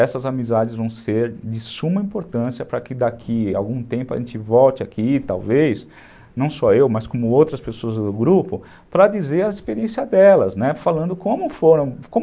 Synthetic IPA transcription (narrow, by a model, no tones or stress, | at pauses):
ɛsɐzamizad͡ʒɪzvɐ̃w̃seɾd͡ʒɪsumɐĩpoɾt̪ɐ̃siɐpɾɐkɪd̪akʰia̰wɡũt̪ẽmpʊɐ̰ʒẽnt͡ʃɪvɔwt͡ʃɪakʰit̪a̰wvejs | nɐ̃w̃sɔewmɐskõmʊowt̪ɾɐspesoɐzd̪ʊɡɾupʊ | pɾɐd͡ʒizeɾɐispeɾiẽsiɐd̪ɛlɐznɛfalɐ̃nd̪ʊkõmʊfoɾɐ̃w̃kõm